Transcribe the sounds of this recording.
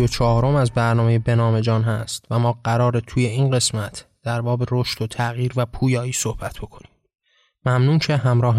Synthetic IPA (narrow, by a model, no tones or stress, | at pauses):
ot͡ʃʰɒːɾo̞mæzbæɾnɒːme̞jebe̞nɒːme̞d͡ʒɒːnɦæ̰st̪væmɒːɢæɾɒːɾet̪ʰuːje̞iːnɢe̞smæt̪ʰd̪̥æɾbɒːbe̞ɾoʃt̪ot̪ʰæɣiːɾvæpʰuːjɒːiːsohb̥æt̪ʰb̥o̞kʰo̞ni̥ːm | mæmnuːncʰe̞ɦæmɾɒːɦ